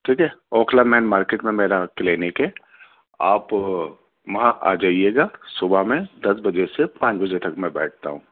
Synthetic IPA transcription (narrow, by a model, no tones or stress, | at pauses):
ʈʰiːkɛɔːkʰlamɛːnmaːɾkeːʈmẽmeːɾakleːnɪkɦɛ | aːp | ʋɐɦãʔa̰ːd͡ʒaːieːɡasʊbʱamẽd̪ɐsbɐd͡ʒesepãːt͡ʃbɐd͡ʒet̪ɐkmɛ̃bɛ̰ːʈ̚ʰt̪a̰ɦũː